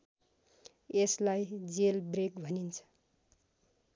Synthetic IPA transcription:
eslajd͡zelbrekbʱʌnint͡sʰʌ̥

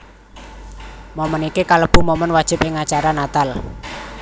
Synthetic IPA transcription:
momənikikaləb̥ṳmomənwad̥ʒ̥ɪ̤pɪŋat͡ʃaɾanat̪al

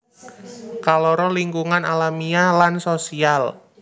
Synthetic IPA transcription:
kalɔɾɔliŋkuŋanalamialansosial

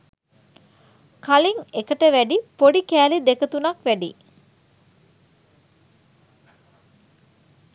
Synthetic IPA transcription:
kaliŋekəʈəʋæɖipoɖikæːlid̪ekət̪unɐkʋæɖḭ

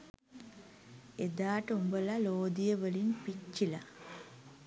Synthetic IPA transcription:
ed̪aːʈəumbəlaloːd̪ijəʋəlinpit͡ʃːila

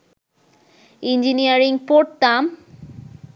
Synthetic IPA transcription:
ind͡ʑinijaɾiŋɡpoɾʈ̚t̪am

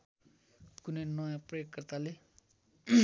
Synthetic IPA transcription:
kunenʌjãprʌjokːʌrt̪ale

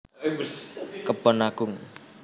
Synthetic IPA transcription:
kəb̥ɔnaɡ̥ʊŋ

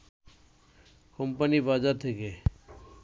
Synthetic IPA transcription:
kompənibaːd͡ʒaɾt̪ʰeke

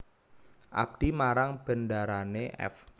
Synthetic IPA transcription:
ʔa̰b̚d̪̥imaɾaŋb̥ə̤ndaɾaneʔɛ̰f

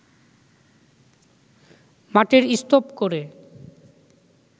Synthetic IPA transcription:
maʈeɾist̪opkoɾe

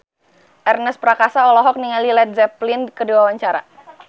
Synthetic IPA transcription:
ʔɛrnəspɾakasaɔlɔɦɔk̚niŋalilɛt̪̚zɛplɪnkəduawaɲt͡ʃaɾa̰

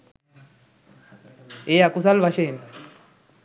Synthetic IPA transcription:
eakus̬alβaʃen

